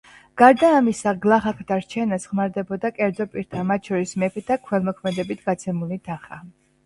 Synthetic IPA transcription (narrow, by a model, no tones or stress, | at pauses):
ɡ̥aɾd̪aːmisaɡlˠaχakʰd̪aɾt͡ʃʰɛnasʁmaɾd̪ɛbɔd̪akʼɛɾd̪zɔpʼiɾt̪ʰamat̪̚ʰʃɔɾismɛpʰɛt̪ʰakʰwɛlˠmɔkʰmɛd̪ɛbit̪ʰɡat̪sʰɛmulit̪ʰaχa̰